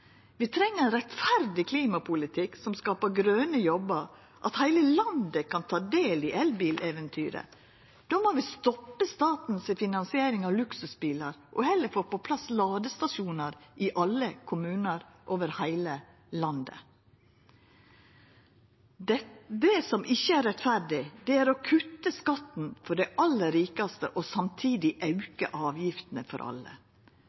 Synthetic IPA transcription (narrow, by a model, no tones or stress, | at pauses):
ʋɪt̪ʰɾɛŋːəɾɛnɾɛt̪fæɾd̪ɪkʰliːmɑpʰʊlɪt̪ʰɪksɔmskɑːpəɾɡɾøːnəjɔbəɾ | ʔɑ̰t̪hæɪləlɑnd̪əkʰɑnt̪ʰɑːd̪eːlɪʔɛlbiːlʔeːʋɛnt̪ʰyːɾə̰ | d̪̥oːmoʋɪst̪ɔpːəst̪ɑːt̪n̩sɪfɪnɑnsɪeːɾɪŋɑʋlʉksʉsbiːləɾʔɔhɛlːəɾfoːɾpɔpʰlɑslɑːd̪əst̪ɑʂuːnəɾʔɪʔɑlːəkʰʊmʉːnəɾʔoːʋəɾhæɪlə | lɑnd̪ə̰ | d̪ɛsɔmʔɪçːəæɾɛt̪fæɖɪd̪ɛæɾɔkʰʉt̪ːəskɑt̪n̩fɔɖæɪʔɑlːəɾiːkɑst̪ə̰ʔɔsɑmt̪ʰiːd̪ɪʔɑʉkə̰ʔɑːʋjɪft̪nəfɔ̰ɾʔɑ̰lə̰